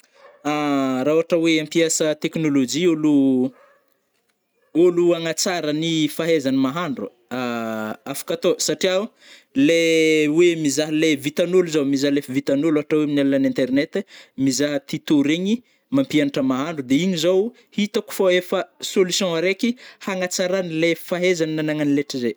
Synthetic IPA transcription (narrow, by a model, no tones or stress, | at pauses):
aɾawaʈ͡ʂaweãmpiasət̪eknolod͡ʒiolu | oluaŋat͡saɾənifaɦezanimaɦaɳɖ͡ʐu | aafḁkat̪osaʈ͡ʂiau | lewemizaɦəlevit̪anuluzawmizalefivit̪anuluaʈ͡ʂaweminalunanɛ̃nt̪eɾnet̪mizaɦət̪it̪oɾeɲi | mãmpianʈ͡ʂəmaɦaɳɖ͡ʐud̪eiɲizow | hit̪aku̥foefəsolusjɔ̃aɾekihaŋat͡saɾanilefaɦezaninanaŋanileʈ͡ʂize